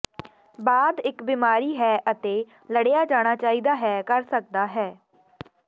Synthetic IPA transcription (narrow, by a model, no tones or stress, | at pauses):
baːd̪ɪkbimaːɾiːɦɛːʔət̪eː | ləɽejaːd͡ʒaːɽ̃aːt͡ʃaːiːd̪aːɦɛːkəɾsək̚d̪aːɦɛː